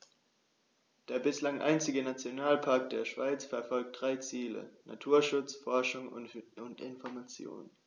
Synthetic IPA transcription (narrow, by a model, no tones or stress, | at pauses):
d̥eːɐbɪslaŋʔa̰ɪnt͡sɪɡənat͡sjonaːlpʰaɐk̚d̥eːɐʃv̥aɪt͡sfɛɐfɔlk̚t̚d̥ʁaɪt͡siːlə̰na̰tʰuːɐʃʊt͡sfɔɐʃʊŋʊntɪnfɔɐmat͡sjo̰ːn